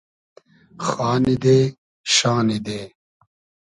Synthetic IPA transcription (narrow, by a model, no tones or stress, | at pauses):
xaːnid̪eː | ʃaːnid̪eː